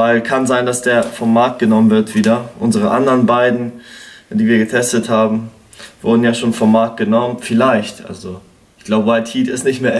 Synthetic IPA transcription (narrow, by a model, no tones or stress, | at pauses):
aɪlkʰanzaɪndasd̥eːɐfɔmːaɐk̚t̚ɡ̥ənɔmənvɪɐtv̥iːdɐʔʊnzəʁ̞əʔa̰ndəʁənbaɪdn̩d̥iːviːɐɡətʰɛstəthaːbm̩ | vʊɐdn̩jaːʃoːnfɔmːaɐk̚t̚ɡ̥ənɔmənfɪlaɪçtʔa̰lzo | ɪçɡ̥laʊbəwaɪthiːtɪstnɪçtmeːɐ